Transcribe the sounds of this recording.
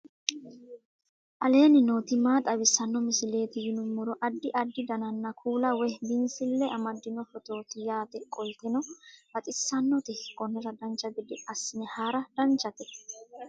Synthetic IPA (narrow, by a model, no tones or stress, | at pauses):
ʔɐle̞ːnɪno̞ːt̪ɪmaːt̪ʼɐbɪsːɐnːɔmɪsɪle̞ːt̪ɪjɪnʊmːɔɾɔʔɐd̪ːɪʔɐd̪ːɪd̪ɐnɐnːɐkʰuːlɐwɛhd̪ɪnsɪlːɛʔɐmɐd̪ːɪnɔfɔt̪o̞ːt̪ɪjaːt̪ɛkʼɔjt̪ɛnɔbɐt̪ʼɪsːɐnːɔt̪ɪkɔnːɛɾɐd̪ɐnt͡ʃːɐɡɪd̪ɪɐsːɪnɛhaːɾɐd̪̥ɐnt͡ʃːɐt̪ɛ̥